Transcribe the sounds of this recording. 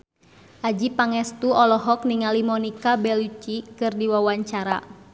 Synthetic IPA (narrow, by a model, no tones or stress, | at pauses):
ʔad͡ʒipaŋɛst̪uɔlɔɦɔk̚niŋalimɔnikabɛlut͡ʃikɨrdiwawaɲt͡ʃaɾa̰